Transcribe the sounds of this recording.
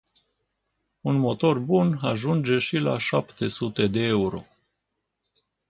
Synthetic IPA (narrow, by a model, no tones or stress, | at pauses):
unmo̞t̪o̞rbunaʒund͡ʒe̞ʃila̰ʃapt̪e̞sut̪e̞d̪e̞euɾo̞̰